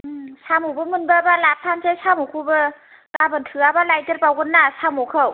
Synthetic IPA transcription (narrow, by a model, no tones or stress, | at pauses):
samubɯmɯnbɯbalap̚tʰansesamuwkʰubɯ | kabɯntʰɯabalajtəɾpawɡɯnːasamɔkʰɯw